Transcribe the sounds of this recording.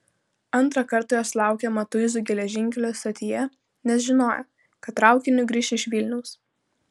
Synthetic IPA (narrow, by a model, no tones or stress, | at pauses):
ɐnˑt̪ɾɐkɐɾt̪ɑjoːslˠɑˑʊkʲɛmɐt̪ʊɪzʊɡʲɛlʲɛʒʲɪŋʲkʲɛlʲost̪ot̪ʲɪjɛ | nʲɛsʒʲɪnoːjɛ̰ | kɐt̪ːɾɑˑʊkʲɪnʲʊɡɾʲiːʃʲɪʃʲʋʲɪlʲnʲɛʊs